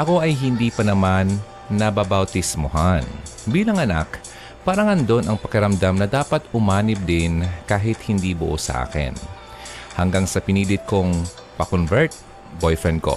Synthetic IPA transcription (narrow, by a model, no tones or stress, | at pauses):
ʔɐko̞ʔɐjɦɪnd̪iːpɐnɐmanː | ɐbabɐwt̪ɪsmoɦan | biːlɐŋʔɐna̰k | pɐɾɐŋɐnd̪o̞nʔɐŋpɐkɛɾɐmd̪amnɐd̪aːpɐt̪ʊmaːnɪb̚d̪ɪnkaːɦɪt̪̚hɪnd̪ibʊʔo̰sɐ̰ʔa̰ːkɪ̰n | hɐŋɡaŋsɐpɪniːlɪt̪̚koŋ | pɐkonvɛɹt̪̚ | bojfɹɛnd̪̚ko̞̰